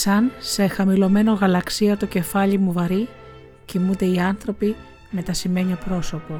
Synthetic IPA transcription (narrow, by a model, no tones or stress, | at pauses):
sɐnse̞xɐmilo̞me̞no̞ɣɐlɐksiɐt̪o̞ce̞fɐʎimuvɐɾi | cimund̪e̞iɐnθɾo̞pi | me̞t̪ɐsime̞ɲio̞pɾo̞so̞po̞